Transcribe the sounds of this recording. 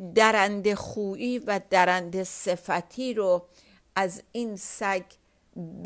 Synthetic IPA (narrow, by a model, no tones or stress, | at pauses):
d̪æɾænd̪eχuːʔiːvæd̪æɾænd̪esefæt̪ʰiːɾo | ʔæzinsæɡ | b